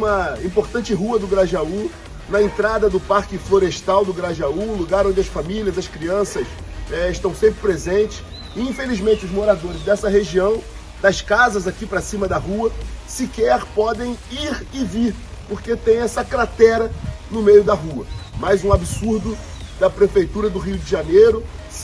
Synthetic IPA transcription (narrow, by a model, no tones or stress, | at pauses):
ũmɐĩpoɾt̪ɐ̃nt͡ʃɪɦuɐd̪ʊɡɾaʒau | nɐẽnt̪ɾad̪ɐd̪ʊpaɾkɪfloɾeʃt̪awd̪ʊɡɾaʒaũluɡaɾõd͡ʒɪɐsfamilʲɐzɐskɾiɐ̃sɐʃ | ɛɪʃt̪ɐ̃w̃sẽmpɾɪpɾezẽnt͡ʃɪ̥s | ɪĩfelizmẽnt͡ʃɪʊzmoɾad̪oɾɪzd̪ɛsɐɦeʒiɐ̃w̃ | d̪ɐskazɐzakipɾɐsĩmɐd̪ɐɦuɐsɪkɛɾpɔd̪ẽj̃iɾɪviɾpoɾket̪ẽj̃ɛsɐkɾat̪ɛɾɐnʊmejʊd̪ɐɦuɐmajzũabisuɾd̪ʊ | d̪ɐpɾefejt̪uɾɐd̪ʊɦiʊd͡ʒɪʒanejɾʊ